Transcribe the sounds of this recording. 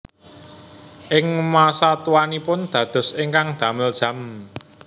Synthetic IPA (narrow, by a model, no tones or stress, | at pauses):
ʔɪŋmasat̪uwanipʊnd̪̥ä̤d̪̥ɔ̤sɪŋkaŋd̪̥ä̤mɪld̥ʒ̥ä̤m